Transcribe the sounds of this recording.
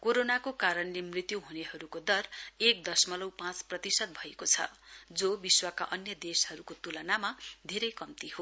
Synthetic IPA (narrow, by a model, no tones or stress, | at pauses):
koɾonakokaɾʌnlemrit̪juɦunehʌɾukod̪ʌrek̚d̪ʌsmʌlʌwpãt͡sprʌt̪isʌt̪̚bʱʌekot͡sʰʌ̰d͡zobiswakaʔʌnjʌd̪eshʌɾukot̪ulʌnamad̪ʱeɾʌjkʌmt̪iɦo